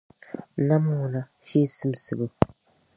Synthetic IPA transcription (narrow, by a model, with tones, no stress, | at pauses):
na˦m˦u˨na˦ | fi˦sɨ˦m˨sɨ˨bu˦